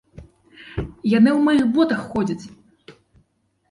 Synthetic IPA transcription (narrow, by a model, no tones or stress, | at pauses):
janɨwmɔjɨɣbɔt̪ɐxːɔd͡zʲɐt͡sʲ